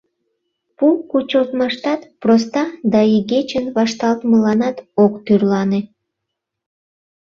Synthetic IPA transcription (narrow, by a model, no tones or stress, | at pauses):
pukut͡ɕəlt̪mɑʃt̪ɑt̪prost̪ɑd̪ɑiɡet͡ɕənβɑʃt̪ɑlt̪məlɑnɑt̪okt̪yrlɑne